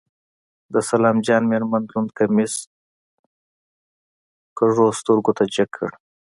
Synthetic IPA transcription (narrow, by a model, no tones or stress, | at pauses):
d̪əsalɑːmd͡ʒɑːnmeɾmand̪lund̪kamɪs | kəʐost̪uɾɡot̪ad͡ʒakʰːə̰ɽ